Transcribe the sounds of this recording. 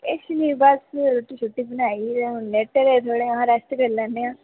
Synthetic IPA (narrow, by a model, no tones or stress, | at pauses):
ɪʃniːbəsɾoːʈiːt͡ʃʰʊʈːiːbənaːiːneʈəɾet̪ʰoːɽeːaɦãːɾɛst̪kəɾlɛ̃ːnd̪eːãː